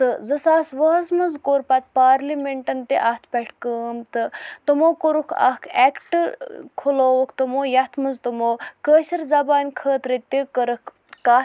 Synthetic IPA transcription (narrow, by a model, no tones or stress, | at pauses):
t̪ɨzɨsaːsʋɐɦɐsmɨnzkoːɾpɐt̪̚paːɾlimeɳʈɐnt̪ḛʔat̪ʰpʲɐʈʰkəːmt̪ɨt̪ɨmoːkoɾukʰa̰kʰɛkʈkʰuloːʋukʰt̪omoːjɐt̪ʰmɨnzt̪umoːkəːʃɐɾzɐbaːnʲkʰəːt̪ɾit̪ikəɾək | kaː